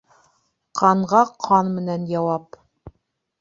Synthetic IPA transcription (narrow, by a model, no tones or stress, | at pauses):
qʰɑɴʁɑqʰɑnmɘ̆nænjɑwɑp